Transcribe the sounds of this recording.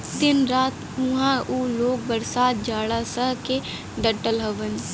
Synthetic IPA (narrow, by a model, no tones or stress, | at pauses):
d̪ɪnɾaːt̪ | ʊɦãːuːloːk̚bəɾsaːt̪̚d͡ʒaːɽaːsəɦke | ɖəʈəlɦəʋən